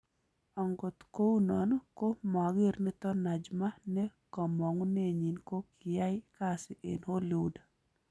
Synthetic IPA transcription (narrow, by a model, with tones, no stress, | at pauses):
ɔ˨ŋɡo˨t̪ko˦wu˦nɔ˨nɔ˦ko˦ma˨ɡɪ˦ɾnɪ˦t̪ɔ˦na˨d͡ʒma˦nɛ˦kɔ˨mɔ˨ŋ˦ne˦ɲi˨nko˦kɪ˨ja˦jka˦sɪ˨ʔḛ˨nho˦lu˨da˨